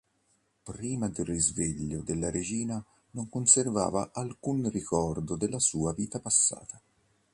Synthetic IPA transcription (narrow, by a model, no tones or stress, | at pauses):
pɾiːmad̪errizveʎːod̪elːaɾʔed͡ʒiːna | noŋkonserva̰ːvaʔalkunrikɔrd̪od̪elːasuːaviːt̪apasːa̰ːt̪a